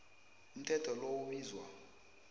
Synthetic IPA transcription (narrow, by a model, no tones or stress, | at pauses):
um̩tʰɛtʰɔlowuɓiːzwa̰